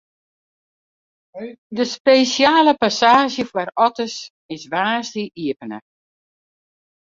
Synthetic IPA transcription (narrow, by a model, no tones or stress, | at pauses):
dəspesjaːləpasaːʒjəfwarɔtəs | ɪsʋaːsdiʔiəpənə̰